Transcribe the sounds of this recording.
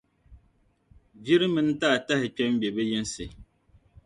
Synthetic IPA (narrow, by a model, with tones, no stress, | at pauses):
bi˦ɾɨ˦mɨ˦n˦taː˦˨ta˦hɪ˨k͡pɛ˦m˦bɛ˨bɨ˦ji˦n˦sɨ˨